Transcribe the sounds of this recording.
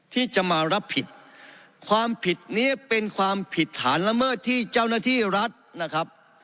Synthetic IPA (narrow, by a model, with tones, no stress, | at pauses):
t̪ʰiː˥˩t͡ɕa˨˩maː˧ɾa˦˥pʰːi˨˩t̪̚ | kʰwaː˧mpʰi˨˩t̪̚niː˦˥pe˧nkʰwaː˧mpʰi˨˩t̪̚ʰːa̰ː˩˦nla˧mɤː˥˩t̪ʰːiː˥˩t͡ɕaː˥˩wnaː˥˩t̪ʰiː˥˩ɾa˦˥t̪̚na˦˥kʰa˦˥p̚